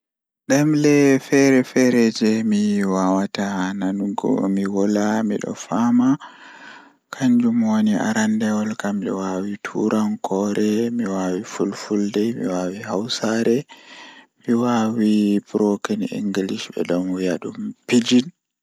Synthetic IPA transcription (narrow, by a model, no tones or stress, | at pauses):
ɗɛmlɛfɛɾɛfɛɾɛd͡ʒɛmiwawatananuɡɔ̰miwɔlamiɗɔ̰fama | kʰaɲd͡ʒumwonia̰ɾandɛwɔlkamɗɛ̰wawitʰṵɾʔankʰɔɾɛmiwawifulfuldɛmḭwawihawsaɾɛ | miwawipɾokinḭŋɡiliʃbɛ̰dɔmwijaɗumpid͡ʒin